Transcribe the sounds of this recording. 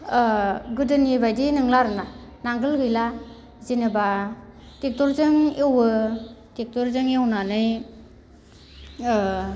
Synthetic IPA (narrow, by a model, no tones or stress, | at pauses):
ɡɯdɯnibajdinɯŋlaɾɯnanaŋɡɯlɡɯjla | zinɯba | tek̚tɔɾzɯŋewɯtek̚tɔɾzɯŋjawnanɯj